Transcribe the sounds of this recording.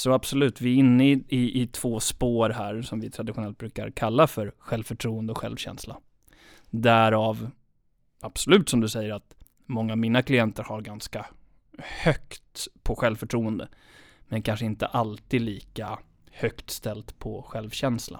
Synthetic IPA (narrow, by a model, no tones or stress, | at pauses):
sɔab̥sɔlʉ̟ːt̪vɪɪnːəɪɪʔɪt̪ʰv̥oːspoːɾɦæːɾsɔmvɪt̪ʰɾad̪ɪɧʊnɛlt̪̚bɾʉ̟ːka̰ɾkʰalːafœɾɧɛlvfœʈʰɾuːənd̪əɔɧɛ̰lvɕɛ̰nsla̰ | d̪æɾɑːv | ab̥sɔlʉ̟ːt̪sɔmd̪ɵsɛjːəɾat̪ | mɔŋːaːvmiːnakʰlɪjɛnt̪əɾhaɾɡanska | hœkt̪pʰɔɧɛlvfœʈʰɾuːənd̪ə̰ | mɛnkʰanʂəɪnt̪ə̰ʔalt̪iːd̪liːka | hœkt̪st̪ɛlt̪pʰɔɧɛlvɕɛnsla̰